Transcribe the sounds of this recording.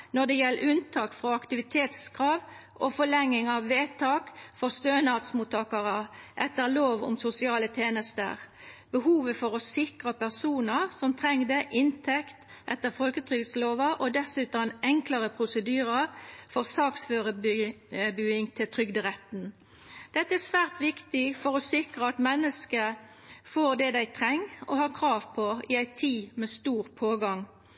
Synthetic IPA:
nɔd̪ɛjɛlːəʉnt̪ʰɑːkfʁɔɑkt̪ɪʋɪt̪ʰeːt̪skʰʁɑːʋʔɔfɔɭɛŋːɪŋɑʋːeːt̪ʰɑːkfɔʁst̪øːnɑːt̪smuːt̪ʰːɑːkɑʁəʔɛt̪ːəʁloːʋʊ̰msʊsɪɑːlət̪ʰeːnəst̪ə̰ʁbəhuːʋəfɔʁɔsɪkʁɑpʰæʁsuːnəʁsɔmt̪ʰʁɛŋd̪əʔɪnt̪ʰɛkt̪ | ʔɛt̪ːəʁfɔlkət̪ʰɾʏɡət̪sloːʋɑʔɔd̪ɛsʉːt̪nɛŋklɑʁəpʰɾʊsəd̪yːɾəfɔʁsɑːksføːʁə | bʉːɪŋt̪ʰɪlt̪ʰʁʏɡd̪əʁɛt̪n̩ | d̪̥ɛt̪ːəæsʋæːʁt̪ʋɪkt̪ɪfɔʁɔsɪkʁəɑt̪mɛnːəskə | foːʁd̪ɛd̪æɪt̪ʰɾɛŋːɔhɑːʁkʰɾɑːʋpʰɔɪæɪt̪ʰiːmɛst̪uːʁpʰoːɡɑŋ

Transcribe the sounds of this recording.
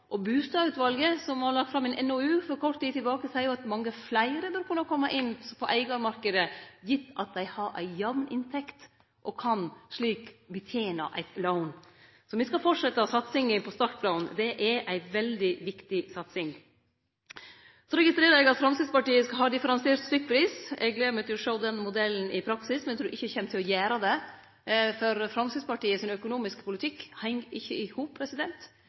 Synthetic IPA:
ʔɔbʉːst̪ɑːʉt̪ʋɑlɡəsɔmhɑɾɭɑk̚t̪fɾɑmɛnʔɛnɔʉːfɔɾkʰɔʈ̪t̪iːt̪ːɪlbɑːkəsæɪɾjʊɑt̪mɑŋːəflæɪəɾəbœɾkʰʉnːəkʰɔmːəʔɪnːpʰɔʔæɪɡɑmɑɾkəd̪əjɪt̪ːɑt̪̚d̪æɪhɑɾʔæ̰ɪjɑʋnɪ̰nt̪ʰɛkt̪ | ʔɔkʰɑnʂɭiːkbət̪ʰjeːnɑ̰ʔæ̰ɪt̪loʊn | sɔmʋɪskɑfɔʈʂɛt̪ːəɔsɑt̪sɪŋəpʰɔst̪ɑɾt̪̚blɑʊnd̪ɛʔæɾʔæɪʋɛld̪ɪʋɪkt̪ɪsɑt̪sɪŋ | sɔɾɛɡɪst̪ɾeːɾəɾɛɡɑt̪fɾɑmsɪd̪spɑʈiːəsɦɑɾd̪ɪfəɾɑnseːɾt̪st̪ʏk̚ːpʰɾiːsɛ̰ɡlɛːmɛt̪jʊʂəld̪ɛnmʊd̪ɛlːn̩ɪpʰɾɑksɪsmɛnɛt̪ʰɾuːɾɪçːəçɛmt̪ʰɪlɔjæːɾɑd̪ɛ | fɔɾfɾɑmsəd̪spɑʈiːəsɪnœkʊnuːmɪskpʊlɪt̪ʰɪkːhɛŋːɪçːəɪhuːpʰɾɛsɪd̪ɛnt̪

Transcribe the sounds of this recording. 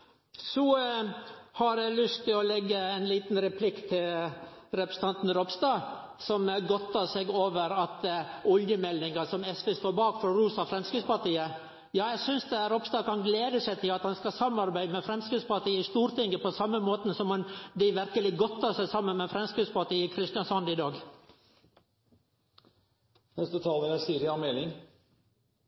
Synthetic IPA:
sɔ | hɑɾjælʏst̪ʰɪlɔlɛɡːəæɪnliːt̪n̩ɾɛpʰlɪkt̪ʰɪlɾɛpɾəsət̪ʰɑnt̪n̩ɾɔpst̪ɑː | sɔmɡɔt̪ʰːɑsɛɡoːʋəɾɑt̪ɔljəmɛlːɪŋɑsɔmɛsʋest̪oːɾbɑːkfɔɾɔɾuːsɑfɾɛmskɾʉspɑʈ̪iːə | jɑːjæsʏnsd̪ɛhæːɾɔpst̪ɑːkɑnɡleːd̪əsæɪt̪ʰɪlɑt̪hɑnskɑsɑmɑɾbæɪəmɛfɾɛmskʉspɑʈ̪iːəɪst̪uːɾt̪ɪŋɡəpɔsɑmːəmoːt̪n̩sɔmnd̪ɪɪʋæɾkəlɪɡɔt̪ʰːɑːsæɪsɑmːənmɛfɾɛmskɾʉspɑʈiːəkʰɾɪst̪nɑsɔnd̪ɪd̪ɑːɡ | nɛst̪ət̪ʰɑːləɾæsiːɾɪɑmɛːlɪŋ

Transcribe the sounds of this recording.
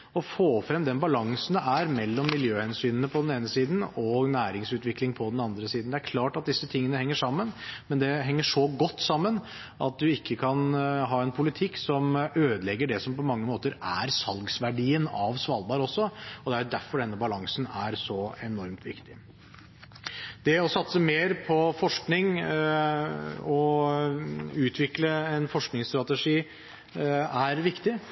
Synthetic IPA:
ɔfoːfɾɛmd̪ɛnbɑlɑŋsn̩d̪ɛʔæɾmɛlːɔmːɪljøːhɛnsyːnənəpʰɔd̪ɛneːnəsiːd̪n̩ɔɡnæːɾɪŋsʉːt̪ʋɪklɪŋpʰɔd̪ɛnɑnd̪ɾəsiːd̪nd̪ɛæɾkʰlɑːʈɑt̪̚d̪ɪsːət̪ʰɪŋːənəhɛŋːəʂɑmːənmɛnd̪ɛɦɛŋːəʂɔɡɔt̪ːsɑmːən | ʔɑt̪̚d̪ʉɪkːəkʰɑnɦɑːɛnpʰʊlɪt̪ʰɪkːsɔmøːd̪lɛɡːəɖɛsɔmpɔmɑŋːəmoːt̪əɾæɾsɑlɡsʋæɖiːənɑʋsʋɑːlbɑːɾɔsːɔɔd̪ɛæɾjʊd̪æɾfɔɖɛnːəbɑlɑŋsnæɾsɔɛnɔɾmt̪ʰʋɪ̰kt̪ɪ̥ | d̪ɛɔsɑt̪səmeːɾpʰɔfɔʂknɪŋ | ɔ | ʉːt̪ʰʋɪkləɛnfɔʂknɪŋst̪ɾɑt̪əʂiː | æɾʋɪkt̪ɪ

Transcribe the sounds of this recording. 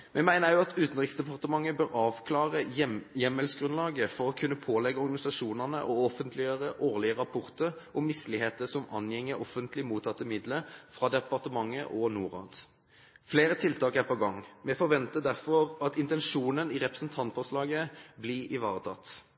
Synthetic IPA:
mʔɛmæɪnəʁjʊɑt̪ʰʉːt̪n̩ʁɪksd̪ɛpʰɑʁt̪əmɑŋːəbøːʁɑːʋkʰlɑːʁəjɛmɛlsɡʁʉnlɑːɡəfɔʁɔkʰʉnːəpʰoːlɛɡːəɔʁɡɑnɪsɑʂuːnəʁnəʔɔɔfənt̪ʰlɪəʁəʔoːʁlɪəʁɑpʰʊʁt̪əʁʔɔmːɪslɪheːt̪əsɔmɑ̰njɛŋːəʔɔfənt̪lɪmuːt̪ʰːɑt̪ːəmɪd̪ləfʁɑːd̪ɛpɑʁt̪əmɑŋːəʔɔnuːʁɑ̰ːd̪̥ | fleːɾət̪ʰɪlt̪ʰɑːkæʁpɔɡɑŋːmɛfɔʁʋɛnt̪əd̪æʁfɔʁɑt̪ɪnt̪ɛnʂuːnənɪʁɛpəsənt̪ʰɑnt̪fɔʁslɑːɡəblɪɪʋɑ̰ːʁət̪ʰɑ̰t̪

